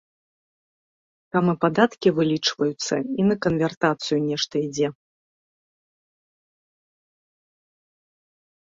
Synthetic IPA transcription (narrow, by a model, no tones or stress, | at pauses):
samɨpad̪at̪kʲivɨlʲit͡ʂvɐjut̪sːɐ̰inɐkɐnvʲɛrt̪at̪sɨjunʲɛʂt̪ɐid͡zʲɛ